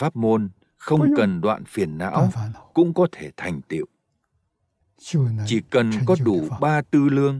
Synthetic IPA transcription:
faː˦˥p̚mo˧n | xə˧wŋ͡mkə˨˩nɗwa̰ː˧˨nfi˨˩ənːa̰ː˧˥wkʊ̰˧˥ŋ͡mkɔ˨˦t̪ʰe˧˩t̪ʰa˨˩jŋ̟t̪ḭ˧˨ə˨wʔ | t͡ɕi˧˩kə˨˩nkɔ˨˦ɗu˧˩ɓaː˧t̪ɨ˧lɨ˧əŋ

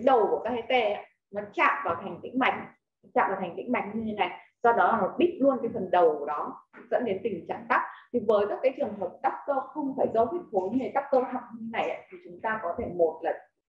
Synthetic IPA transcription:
ɗə˨˩wku˧˩kaː˦˥k̚e˧˦t̪e˧a˧˨ | ma˨˦t͡ɕa̰ː˧˨mvaː˨˩t̪ʰa˨˩jŋ̟t̪ḭ˧˥ŋ̟ma˨˩jk̟̚ | t͡ɕa̰ː˧˨mvaː˨˩˨ŋ̟t̪ḭ̈˧˥ŋ̟ma˨˩k̟̚ɲɨ˧t̪ʰe˨˦na˨˩jzɔ˧ɗɔ˨˦la˨˩mo˨˩t̚ɓi˦˥t̚lu˧ənkaː˨˦jfə˨˩nɗə˨˩wɗɔ˨˦zə̰˧˥nɗe˨˦nt̪ï˨˩ŋt͡ɕa˨˩ŋt̪a˦˥k͡p̚t̪ʰi˨˩vəː˨˦jka˦˥k̚aː˨˦jt͡ɕɨ˨˩əŋɦə˨˩p̚ɗ̪a˦˥p̚kə˧wxə˧wŋ͡mfaː˧˩jzə˧˦wt̪i˦˥t̚xo˨˦ŋe˨˩t̪a˦˥p̚kə˧whʰa˨˩w̚ɲi˧na˨˩jʔa̰ː˨˧˨t̪ʰi˨˩t͡ɕʊ˨˦ŋ͡mt̪aː˧kɔ˨˦t̪ʰe˧˩mo˨˩t̚lə˨˩n̚

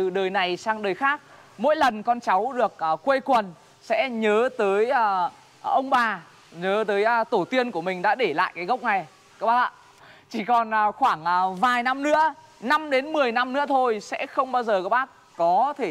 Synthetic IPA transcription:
ɨ̰˧˨ɗəː˨˩jna˨˩jsaː˧ŋɗəː˨˩jxaː˦˥k̚ | mo̰˧˥jlə˨˩nkɔ˧nt͡ɕa˨˦wɗɨ˨˩ək̚ːkwe˧kwə˨˩n | sɛ̰˧˥ɲəː˨˦t̪əː˨˦jʔː | ʔə˧wŋ͡mɓaː˨˩ | ɲəː˨˦t̪əː˨˦jt̪o˧˩t̪i˧ənku˧˩əmï˨˩ŋ̟ɗa̰ː˧˥ɗe˧˩la̰ː˧˨jkaː˨˦jɣə˦˥wk͡p̚na˨˩j | kaː˦˥k̚ɓaː˦˥a̰˧˨ | t͡ɕi˧˩kɔ˨˩nʔːxwaː˧˩ŋʔːvaː˨˩jna˧mnɨ̰˧˥ə | na˧mɗe˨˦nmɨ˨˩əjna˧mnɨ̰˧˥ət̪ʰo˧jsɛ̰˧˥xə˧wŋ͡mɓaː˧wzəː˨˩kaː˦˥k̚ɓaː˦˥k̚ | kɔ˨˦t̪ʰe˧˩

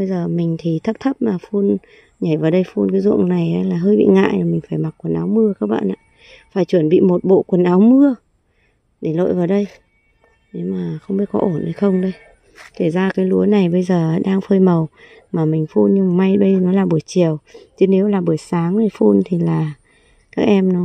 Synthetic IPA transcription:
ɓə˧jzəː˨˩mï˨˩ŋ̟t̪ʰi˨˩t̪ʰə˦˥p̚t̪ʰə˦˥p̚maː˨˩fu˧n | ɲa˧˩jvaː˨˩wɗə˧jfu˧nkaː˨˦jzṵ˧˨əŋna˨˩jʔaː˨˦laː˨˩ɦəː˧jɓḭ˧˨ŋa̰ː˧˨jo˨˩mï˨˩ŋ̟faː˧˩jma˨˩t̚kwə˨˩nʔaː˨˦wmɨ˧əkaː˦˥k̚ɓa̰ː˧˨nʔa̰ː˧˨ | faː˧˩jt͡ɕwə˧˩nɓḭ˧˨mo˨˩t̚ɓo̰˧˨kwə˨˩nʔaː˨˦wmɨ˧ə | ɗe˧˩lo̰˧˨jvaː˨˩wɗə˧j | ne˨˦maː˨˩xə˧wŋ͡mɓi˨˧˦kɔ̰˨˦ʔo˧˩nhə˧jxə˧wŋ͡mɗə˧j | t̪ʰe˧˩zaː˧kaː˨˦jlu˨˦əna˨˩jɓə˧jzəː˨˩˨ɗaː˧ŋfəː˧jmə˨˩w | maː˨˩mï˨˩ŋ̟fu˧nɲɨ˧m˨˩ma˧jɓə˧jnɔ˨˦laː˨˩ɓu˧˩əjt͡ɕi˨˩əwt͡ɕɨ˨˦ne˨˦wlaː˨˩ɓu˧˩əjsaː˨˦ŋɗə˧˩fu˧nt̪ʰi˨˩laː˨˩ | kaː˦˥k̚ʔɛ˧mnɔ˨˦

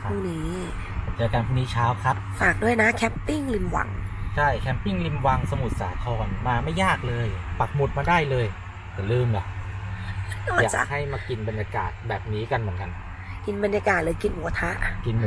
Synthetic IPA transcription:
pʰuː˥˩niː˦˥˩ | t͡ɕɤː˧˩ka˧npʰuː˥˩niː˦˥t͡ɕʰaː˦˥wkʰɾa˦˥p̚faː˨˩k̚du˥˩əjna˦˥kʰɛː˦˥mpi˥˩ŋli˧mwa̰˨˩˦ŋt͡ɕʰa˥˩jkʰɛː˦˥ppi˥˩ŋli˧mwa˨˧ŋsa˧mu˨˩t̪̚sa̰ː˩˦k̪ʰɔː˧nmaː˧ma˥˩jːaː˥˩k̚lɤː˧jpa˨˩k̚mu˨˩t̪̚maː˧daː˥˩jlɤː˧j | t̪ɛː˨˩lɯː˥˩mla˨˩ | ɔː˧˩jaː˨t͡ɕa̰˨˩k̚ha˥˩jmaː˧ki˧nba˧njaː˧ka̰ː˨˩t̪̚bɛː˨˩p̚niː˦˥ka˧nmɯ˩˦nka˧n | ki˧nba˧njaː˧kaː˨˩t̪̚lɤː˧jki˧nʔu˨˩a˧t̪ʰa˦˥ʔki˧n

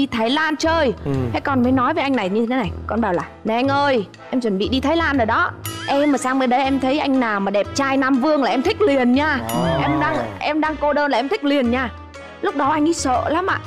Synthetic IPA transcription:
i˧t̪ʰaː˨˦jlaː˧nt͡ɕəː˧jhɛ̰˧˥jkɔ˨˩nməː˨˦jnɔ˨˦jvə˨˦ʔa˧ŋna˨˩jɲɨ˧t̪ʰe˦na˨˩jkɔ˧nɓaː˨˩wlaː˨˩ne˨˩ʔa˧jŋ̟ʔəː˧j | ʔɛ˧mt͡ɕwə˨˩nɓḭ˧˨ɗi˧t̪ʰaː˨˦jlaː˧nɗəː˨˩jɗɔ˨˦ʔɛ˧mːaː˨˩saː˧ŋməː˧ɗə˨˦jʔɛ˧mt̪ʰə˨˦jʔa˧jŋ̟naː˨˩wmaː˨˩ɗɛ˨˩p̚t͡ɕaː˧jnaː˧mvɨ˧əŋlaː˨˩ʔɛ˧mt̪ʰï˦˥k̟̚li˨˩ənɲaː˧ʔɛ˧mɗaː˧ŋʔɛ˧mɗaː˧ŋko˧ɗəː˧nlaː˨˩ɛ˧mt̪ʰi˦˥k̟̚li˨˩ənɲaː˧˩ | lʊ˦˥k͡p̚ɗɔ˨˦ʔa˧jŋ̟ʔɗi˨˦sə̰ː˧˨laː˨˦mʔa̰ː˧˨

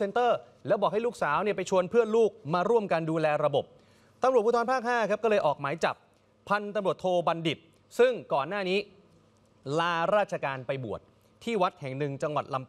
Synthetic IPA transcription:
se˧nt̪ɤː˥˩ | lɛ˦˥wbɔː˨˩k̚ha˥˩luː˥˩k̚saː˩˦˥wni˥˩ɐpa˧jt͡ɕʰu˧ənpʰɯ˥˩ənluː˥˩k̚maː˧ɾu˥˩əmka˧nduː˧lɛː˧ɾa˧bo˨˩p̚ | t̪a˧mɾu˨˩t̪̚pʰuː˥˩t̪ʰɔː˧mpʰaː˥˩k̚haː˥˩kʰa˦˥p̚kɔː˥˩lɤː˧jʔɔː˨˩k̚maː˩˦jt͡ɕa̰˨˩p̚ʰː | a˧nt̪a˧mɾu˨˩ət̪ʰːoː˧ba˧ndi˨˩p̚ | sɯ˥˩ŋkɔː˨˩nːaː˥˩niː˦˥ | laː˧ɾaː˥˩t̪̚t͡ɕʰa˧kaː˧npa˧jbu˨˩ət̪̚ʰː | iː˥˩wa˦˥t̪̚hɛ˨˩ŋnɯ˨˩ŋt͡ɕa˧ŋwa̰˨˩t̪̚la˧m

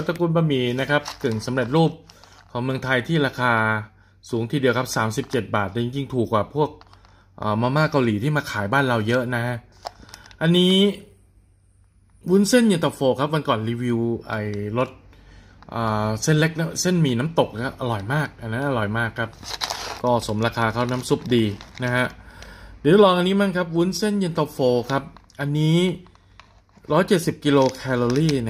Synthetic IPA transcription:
t̪a˧˩kʰu˧npaː˧miː˨˩na˦˥kʰa˦˥p̚kɯ˨˩ŋsa˩˦mɾe˨˩t̪̚ɾuː˥˩p̚ | kʰɔː˩˦mɯ˧əŋt̪ʰa˧jt̪ʰiː˥˩ɾaː˧kʰaː˧ | suː˩˦ŋt̪ʰiː˧di˧əwkʰa˦˥p̚saː˩˦msi˨˩p̚t͡ɕe˨˩t̪̚baː˨˩t̪̚lɛ˧˩t͡ɕi˧ŋt͡ɕi˧ŋt̪ʰuː˨˩kːwaː˨˩pʰu˥˩ək̚ | ʔəː˨˩mɔː˧maː˥˩ka˧wliː˩˦t̪ʰiː˥˩maː˧kʰaː˩˦jbaː˥˩nɾa˧wjɤ˦˥ʔna˦˥a˦˥ʔ | ʔa˧nːiː˦˥ | wuː˦˥nse˥˩nji˧˩t̪ɔ˨˩foː˧˩kʰa˦˥p̚wa˧nkɔː˨˩nɾiː˧wi˧wʔa̰˨˩jlo˦˥t̪̚ | ʔaː˨˩se˥˩nle˦˥k̚na˦˥se˥˩nmiː˧na˦˥mt̪o˨˩k̚ʰa˦˥ʔa˧ɾɔ˨˩jmaː˥˩k̚ʔa˧nːa˦˥nʔa˧ɾɔ˨˩jmaː˥˩kʰːa˦˥p̚kɔː˥˩so˩˦mɾaː˧kʰaː˧kʰa˥˩wnaː˦˥msu˦˥p̚diː˧na˦˥hʰa˦˥ʔd̪i˨˦˥t̚lɔː˧ŋʔa˧nːiː˦˥maː˥˩ŋkʰa˦˥p̚wuː˦˥nse˥˩nji˧nt̪a˧foː˧kʰa˦˥p̚ʔa˧nːiː˦˥ | ɾɔː˦˥jt͡ɕe˨˩t̪̚si˨˩p̚ki˧loː˧kʰɛː˧loː˧ɾiː˥˩n

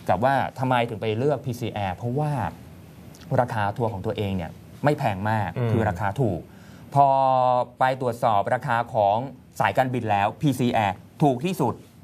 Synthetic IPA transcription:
ka˨˩p̚waː˥˩t̪ʰa˧mːa˧jt̪ʰɯ˩˦pa˧jlɯ˥˩ək̚pʰiː˧siː˧ʔɛː˧pʰɾɔ˦˥waː˥˩ | ɾaː˧kʰaː˧˩t̪ʰu˧kʰɔː˩˦ŋt̪u˧ɐʔeː˧ŋni˥˩ɐ | ma˥˩jpʰɛː˧ŋmaː˥˩kʰːɯː˧ɾaː˧kʰaː˧t̪ʰuː˨˩k̚ | pʰɔː˧pa˧jt̪ɾu˨˩ət̪̚sɔː˨˩p̚ɾaː˧kʰaː˧kʰɔː˩˦ŋ | saː˩˦jka˧nbi˨˩nlɛː˦˥wpʰiː˧siː˧ʔɛː˧t̪ʰuː˨˩k̚t̪ʰiː˥˩su˨˩t̪̚

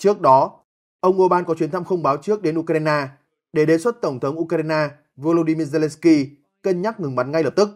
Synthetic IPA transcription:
t͡ɕɨ˦˥ək̚ɗɔ˨˦ | ʔə˧wŋ͡mʔo˧ɓaː˧nkɔ˨˦t͡ɕwi˨˦ənt̪ʰa˧mxə˧wŋ͡mɓaː˨˦wt͡ɕɨ˦˥ək̚ɗe˨˦nʔu˧kɾa˧jnaː˧ | ɗe˧˩ɗe˨˩swə˦˥t̚t̪ə˧˩wŋ͡mt̪ʰə˨˦wŋ͡mʔu˧kaː˧jnaː˧ | vo˧lo˧ɗi˧mi˧əze˧lɛ˧nski˧ | kə˧nɲaː˦˥t̚ŋɨ˨˩ŋɓa˨˦nŋa˧jləː˨˩p̚t̪ɨ˦˥k̚

